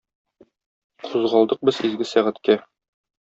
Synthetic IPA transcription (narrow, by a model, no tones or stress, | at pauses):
qʰuzʁɑlˠd̪ɤq̚bɤzizɡɘsæʁæt̪kæ